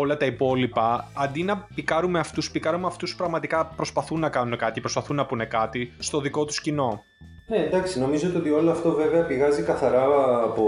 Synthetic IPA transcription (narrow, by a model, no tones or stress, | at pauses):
o̞lɐt̪ɐipo̞lipɐɐnd̪inɐpikɐɾume̞ɐft̪uspikɐɾumeɐft̪uspɾɐɣmɐt̪ikɐpɾo̞spɐθunːɐkɐnune̞kɐt̪icepɾo̞spɐθunːɐpune̞kɐt̪ist̪o̞ðiko̞t̪u̥scino̞ | neend̪ɐksino̞mizot̪ot̪io̞loɐft̪o̞ve̞ve̞ɐpiɣɐzikɐθɐɾɐːpo